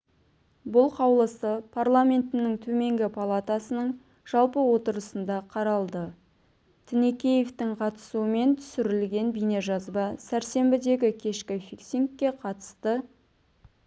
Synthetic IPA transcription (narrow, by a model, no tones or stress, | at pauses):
bʊlˠqʰɑwlˠəsəpʰarlˠamʲe̞nt̪ɪnɪŋt̪ʰɵme̞ŋɡʲɪpʰalˠat̪asənəɴ | ʒ̥ɑlˠpəwo̞t̪əɾəsənd̪ɑqʰɑɾɑlˠd̪ə | t̪ʰɪnekʲe̞jeft̪ɪɴqʰɑt̪ə̥suəme̞nt̪ʰʏ̥sɪɾɪlɡʲe̞nbijne̞ʒɑzbɑsæɾse̞mbɪd̪e̞ɡʲɪkʲʰe̞ʃkʲɪfʲikseŋkʲːe̞qʰɑt̪ə̥st̪ə